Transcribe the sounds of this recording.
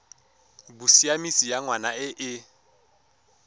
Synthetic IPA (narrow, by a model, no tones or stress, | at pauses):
busiamisijaŋwanaɪʔɪ